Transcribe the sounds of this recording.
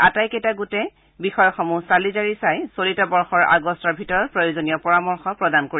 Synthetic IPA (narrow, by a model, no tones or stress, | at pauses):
atajkɛtaɡutɛ | bixɔjɔxɔmusalizaɹisajsolitabɔɹxɔɹa̰ɡɔstɔɹbʱitɔɹɔt̚pɹojozonijɔpɔɹamɔɹxɔpɹɔdankoɹi